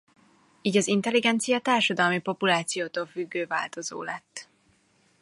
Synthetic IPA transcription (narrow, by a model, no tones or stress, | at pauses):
iːɟɒzint̪ɛliɡɛnt̪sijɒt̪aːrʃɒd̪ɒlmipo̞pulaːt̪sijoːt̪oːlfyɡːøːva̰ːlt̪o̞zo̰ːlɛt̪ː